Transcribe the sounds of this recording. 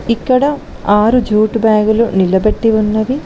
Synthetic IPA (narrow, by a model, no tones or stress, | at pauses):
ikːɐɽɐ | aːɾud͡ʒuːʈbaːɡulunilɐbɐʈːiʋunːɐʋi